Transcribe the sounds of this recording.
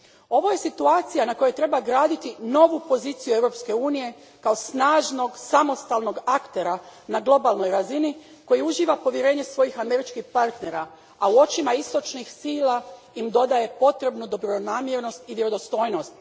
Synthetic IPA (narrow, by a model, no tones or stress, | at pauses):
o̞ʋo̞je̞sit̪uaːt̪sijanako̞jet̪ɾe̞baɡɾaːd̪it̪ino̞ʋupo̞ziːt̪sijueʋɾo̞pske̞uːnije̞ | kao̞snaːʒno̞ɡsamo̞st̪aːlˠno̞ɡakt̪e̞ɾanaɡlˠo̞balˠno̞jɾazini | ko̞jiuʒiːʋapo̞ʋjeɾe̞ːɲe̞sʋo̞jixame̞ɾit͡ʃkixpaɾt̪ne̞ɾa | auo̞t͡ʃimaist̪o̞t͡ʃnixsiːla | imd̪o̞d̪aje̞po̞t̪ɾe̞bnud̪o̞bɾo̞naːmjeɾno̞st̪iʋjeɾo̞d̪o̞st̪o̞ːjno̞st̪̚